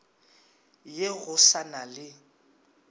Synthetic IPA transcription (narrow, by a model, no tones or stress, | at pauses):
jeɣʊsanalɪ